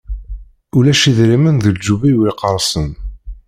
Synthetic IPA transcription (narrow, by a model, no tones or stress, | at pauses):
ulæʃiðɾimənðəld͡ʒːuvijwiqəɾˤsən